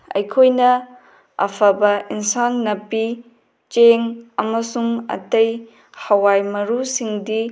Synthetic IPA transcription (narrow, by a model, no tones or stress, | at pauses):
ɐ̰jkʰojnɐ | ɐ̰pʰɐbɐinsanːɐpi | t͡ʃeŋɐmɐsuŋɐ̰tɐj | hɐwajmɐɾusiŋdi